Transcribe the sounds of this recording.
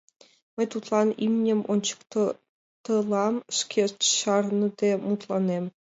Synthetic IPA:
mə̆jʲt̪ut̪lˠɑnimʲnʲɘ̆mʔont͡ɕɤ̥kt̪ | t̪ɤ̆lˠɑmʂkʲʰet̪ɕɑrnɤ̆d̪emut̪lˠɑnem

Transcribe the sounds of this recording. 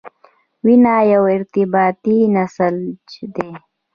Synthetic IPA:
winajawɪɾt̪ɪbɑːt̪inasəld͡ʒd̪e

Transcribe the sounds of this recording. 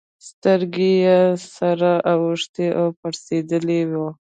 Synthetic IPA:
st̪əɾɡesaɾaʔawəʂt̪eʔapaɾsed̪əlewo

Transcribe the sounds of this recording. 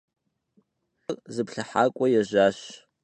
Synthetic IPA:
rʼzɨpʰɬaħakʷʼajaʒʷaʃ

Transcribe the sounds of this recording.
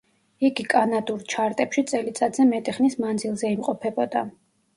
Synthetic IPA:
iɡikʼanad̪uɾt͡ʃʰaɾt̪ʼɛpʃit̪sʼɛlit̪sʼad̪zɛmɛt̪ʼiχnismand̪zilˠzɛimqʼɔpʰɛbɔd̪a

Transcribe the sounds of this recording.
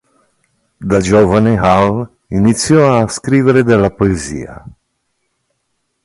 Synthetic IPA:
d̪ad͡ʒɔvanɛɦal | init̪sioaskɾivɛɾɛd̪ɛlapoezḭa̰

